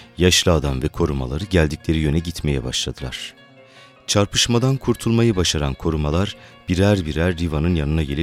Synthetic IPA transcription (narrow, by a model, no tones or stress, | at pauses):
jaʃlˠɯaːd̪amvɛkʰo̞ɾuma̰lˠaɾɯɟælʲd̪iclʲe̞ɾijø̞nɛɟit̪me̞jɛba̰ʃlˠad̪ɯlˠa̰ɾ̥ | t͡ʃʰaɾpʰɯʃmad̪ankʰuɾt̪ʰulˠmajɯbaʃaɾankʰo̞ɾumalˠaɾb̥iɾæɾbiɾæɾːivanɯnjanɯnaɟe̞lʲi